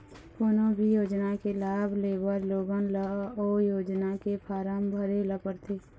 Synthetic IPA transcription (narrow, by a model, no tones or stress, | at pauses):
koːnobʱijoːd͡ʒnakelaːbʱleːbəɾloːɡənləɔːjoːd͡ʒnakepʰaːɾaːmbʱəɾeləpəɾt̪ʰeː